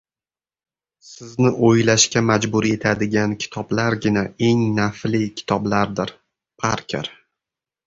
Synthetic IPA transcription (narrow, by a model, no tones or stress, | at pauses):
sɪznɪʔojlaʃkʲamad͡ʒbʊɾie̞t̪ʰad̪ɪɡʲankʲʰɪ̥t̪ʰɒblaɾɡʲɪnae̞ŋnaflɪkʲʰɪ̥t̪ʰɒblaɾd̪ɪɾ | pʰaɾkʲʰḛɾ